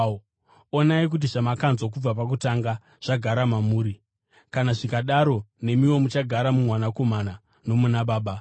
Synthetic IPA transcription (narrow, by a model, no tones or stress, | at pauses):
onaik̬ut̬iʐamakanzwak̬ub͡vapakutaŋɡa | ʐ̥aɡʱaɾamamuːɾi | kanaʐikaɗaɾo̞ne̞miwo̞mut͡ʃaɡʱaɾamumwanako̞mana | no̞munaɓaːɓa